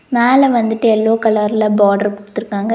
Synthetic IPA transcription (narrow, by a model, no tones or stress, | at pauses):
meːlɐʋɐnd̪ɯʈːɯɛlːoːkɐlɐɾɪlɐbaːɖɐɾpʊɽt̪ːɪɾɯkːaːŋɡɐ